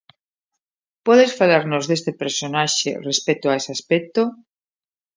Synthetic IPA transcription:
pɔðesfalaɾnozðest̪epeɾsonaʃḛrespet̪oaesɪaspek̚t̪o

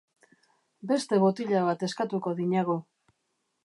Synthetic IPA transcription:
be̞st̪e̞βot̪iʎaβat̪e̞skat̪uko̞ðiɲaɣu

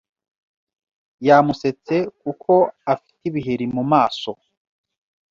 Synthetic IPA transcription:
jamuse̞t͡se̞kukʰo̞afi̥tiβiɦiɾimumaːso̞

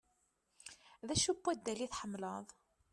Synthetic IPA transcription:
ðæʃubːæd̪ːæliθħəmːləðˤ

